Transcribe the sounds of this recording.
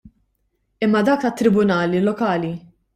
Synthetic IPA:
ɪmːɐd̪ɐːk̪ɐt̪ːɾɪbʊnɐːlilɔkɐːli

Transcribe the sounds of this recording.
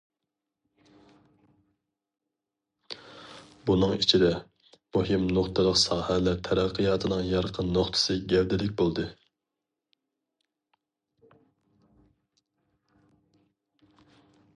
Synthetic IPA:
bunɨŋit͡ʃʰid̪ɛ | muhɪmnoχt̪ʰɨlˠəqsɑːhɛlæt̪ʰɛɾæqʰːəjɑːt̪ʰɨnɨŋjɑɾqʰənːoχt̪ʰɨ̥sɨɡʲɛvd̪ɪlɪk̚ʲbolˠd̪ɨ

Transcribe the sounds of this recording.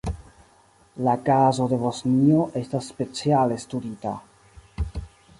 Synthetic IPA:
lakazo̞de̞βo̞snio̞ʔe̞stasːpe̞t͡siale̞studita

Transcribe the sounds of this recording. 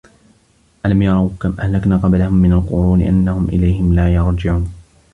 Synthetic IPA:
ʔalamjɑɾˤɑwkamʔahlaknaːqɑblahʊmːɪnalqʊɾuːnɪ̰ʔa̰nːahʊmʔɪ̰lajhɪmlaːjɑɾˤd͡ʒɪʕuːn

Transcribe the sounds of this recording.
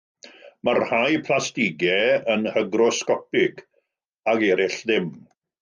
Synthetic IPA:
marhajpʰlˠastɪɡɛənhəɡrɔskɔpɪɡ | aɡɛːɾɪɬðɪm

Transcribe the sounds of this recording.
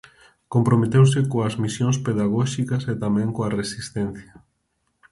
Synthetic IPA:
kompɾomet̪ewsɪkoɐzmisjoŋspeðaɣɔʃikɐset̪amɛ̃ŋkoaresist̪ɛn̟θjɐ

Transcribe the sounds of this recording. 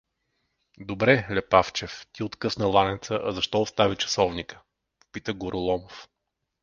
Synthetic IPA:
d̪obɾɛlɛpaft͡ʃɛft̪iot̪kɤsnəlˠanʲɛt̪səʔɐzɐʃt̪ɔost̪avit͡ʃɐ̥sɔvnikə̥ | po̥pit̪əɡʊɾʔʊlˠɔmof

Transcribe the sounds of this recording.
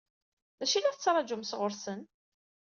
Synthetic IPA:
ðæʃilæɾt͡sːɾˤɑd͡ʒʊmsʁʊɾsən

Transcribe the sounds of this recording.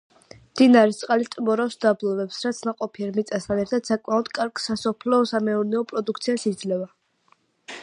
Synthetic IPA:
md̪̥inaɾɛst̪sʼqʼalit̪ʼmɔɾafsd̪ablˠɔvɛpsɾat̪sʰnaqʼɔpʰiɛɾmit̪sʼast̪ʰanɛɾt̪ʰad̪̥sakʼmaɔd̪̥kʼaɾɡ̥sasɔpʰlɔsamɛuɾnɛɔpʼɾɔd̪ukʰt̪sʰiasid̪zlɛva

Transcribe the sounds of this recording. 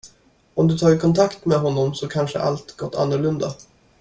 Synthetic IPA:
ɔmd̪ɵt̪ʰɑːɾkʰɔnt̪ʰakt̪mɛɦɔnːɔmsɔkʰanʂə̰ʔa̰lt̪ɡɔt̪ːa̰nːʊɭɵnd̪a

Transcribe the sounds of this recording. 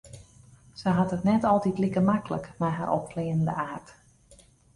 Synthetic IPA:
səjɦɑtətnɛtɔlˠtitlikərmakələ̰kmɛjɦa̰ɾʔɔ̰p̚kleːnəndə̰aːrt

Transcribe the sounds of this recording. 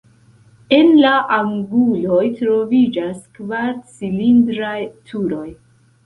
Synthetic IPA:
e̞nlaʔaŋɡulo̞jtɾo̞vid͡ʒaskvaɾt͡silindɾajtʰuɾo̞j

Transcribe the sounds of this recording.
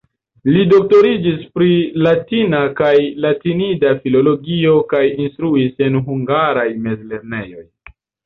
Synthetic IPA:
lido̞k̚to̞ɾid͡ʒispɾilatinakajlatinidafilo̞lo̞ɡio̞kajinstɾuise̞nɦuŋɡaɾajme̞zle̞ɾne̞jo̞̰j

